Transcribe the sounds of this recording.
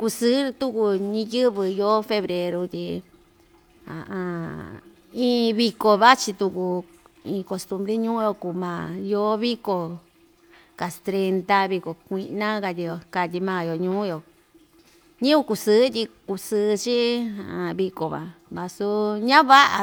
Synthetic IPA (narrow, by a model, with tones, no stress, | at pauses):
ku˧sɨː˦˧t̪u˦ku˧ɲĩ˧jɨ˦βɨ˧jo˦fe˧βɾe˧ɾu˧t̪ʲi˧ | ã̰˨ʔã˧ | ĩː˧˦βi˧ko˧βa˦t͡ʃi˧t̪u˧ku˧ | ĩː˧ko˧st̪u˧mbɾe˦ɲũː˦jo˧ku˨mãː˨jo˦βi˦ko˨ | ka˨st̪ɾe˧nt̪a˧βi˧ko˨kʷi˧nã˦ka˧t̪ʲi˧jo˧˨ka˧t̪i˧mãː˦˧˨jo˨ɲũː˦jo˨ | ɲĩ˦u˧˦ku˧sɨː˦t̪ʲi˧ku˧sɨː˧t͡ʃi˦a˨ã˨βi˧ko˨βa̰˨ | βa˧su˧ɲã˦βa˦ʔa˧